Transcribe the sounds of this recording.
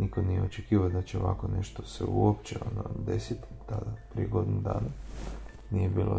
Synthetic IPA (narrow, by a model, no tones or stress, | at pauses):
nikonijeot͡ʃekiːʋaod̪at͡ɕeo̞ʋa̰ko̞ne̞ʃt̪osḛuopt͡ɕeonod̪e̞sit̪ | t̪ad̪apɾijeɡo̞d̪numd̪a̰ːna | nijebiːlo̰